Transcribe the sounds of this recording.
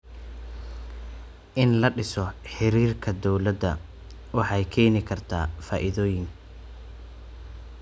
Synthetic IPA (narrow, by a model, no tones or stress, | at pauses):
ʔɪnlɐɖɪsɔħɪɾiːrkʰɐd̪ɔwlɐd̪ːɐ̰ | wɑħɑjkʰɛːnɪkʰɐrt̪ʰa̰ːfaːʔɪðɔːjɪŋ